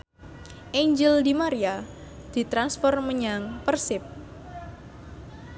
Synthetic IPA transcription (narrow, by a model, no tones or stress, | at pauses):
ʔeɲd͡ʒəld̪imaɾia | d̪̥i̤t̪ɾansfɔrməɲaŋpərsɪp̚